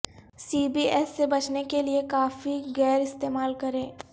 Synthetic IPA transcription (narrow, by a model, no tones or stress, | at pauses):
siːbiːɛːsːebɐt͡ʃnekeliekaːfiɣɛːɾɪst̪eːmaːlkɐɾẽː